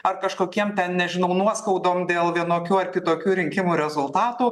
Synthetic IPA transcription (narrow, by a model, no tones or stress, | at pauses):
ɐrkɐʃkoːkʲiɛmt̪ʲɛnnʲɛʒʲɪnɐʊnuɔskɐʊd̪oːmd̪ʲeːlˠʋʲiɛnoːkʲuːɐrkʲɪt̪oːkʲuːɾʲɪŋʲkʲɪmuːɾʲɛzʊlˠt̪ɑːt̪uː